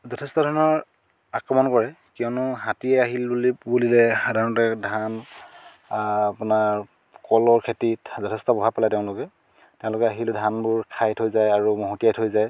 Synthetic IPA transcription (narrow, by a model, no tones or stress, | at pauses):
zɔtʰɛstɔdʱɔnɔɹ | akɹɔmɔnkɔɹɛ | kiɔnʊɦatiɛaɦilbulibulilɛxadʱaɹɔntɛdʱan | apʊnaɹ | kɔlɔɹkʰetitzɔtʰɛstɔpɔbʱapalajtɛʊ̃lʊkɛ | tɛʊ̃lʊkɛaɦildʱanbʊɹkʰajtʰɦojzajaɹumɔɦutijajtʰɦojzaj